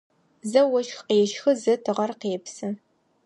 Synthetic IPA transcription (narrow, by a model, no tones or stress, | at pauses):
zɐwɔʃxqeːʃxɨzɐtʰɨʁɐrqeːpsɨ